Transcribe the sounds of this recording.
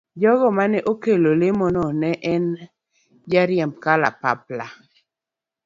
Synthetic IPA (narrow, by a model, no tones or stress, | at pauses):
d͡ʒɔɡɔmanɛʔokelolemɔnɔnɛʔɛn | d͡ʒaɾjamkala̰pa̰pla